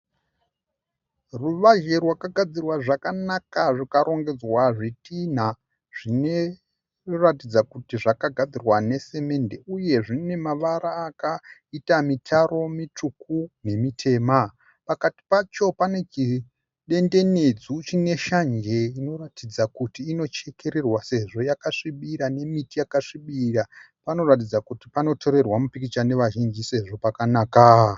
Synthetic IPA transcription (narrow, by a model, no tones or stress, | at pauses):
ruʋaʒe̞rwakaɡʱad͡zirwaʐakanakaʐikaɾo̞ŋɡe̞d͡zwaʐitin̤a | ʐ̥ine | ratid͡zakutiʐakaɡʱad͡zirwane̞se̞me̞nde̞uje̞ʐine̞maʋaɾaːkaitamitʰaɾo̞mit͡ʂukune̞mitʰe̞ːma | pakati̥pat͡ʃo̞pane̞t͡ʃi | ɗe̞nde̞ned͡zut͡ʃine̞ʃand͡ʒe̞ino̞ratid͡zakutiːno̞t͡ʃe̞ke̞ɾe̞rwase̞ʐo̞jakaʂiɓiɾane̞mitijakaʂiɓira | pano̞ratid͡zakutipano̞tʰo̞ɾe̞rwamupikit͡ʃane̞ʋaʒind͡ʒise̞ʐo̞pakanaːka